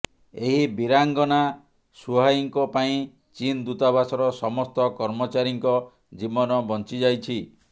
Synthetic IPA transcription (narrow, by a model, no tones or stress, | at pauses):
eɦibiɾaŋɡɔna | suɦajiŋkɔpaĩ | t͡ʃind̪ut̪abasɔɾɔsɔmɔst̪ɔkɔɾmɔt͡ʃaɾiŋkɔ | d͡ʒibɔnɔbɔnt͡ʃid͡ʒajt͡ʃʰi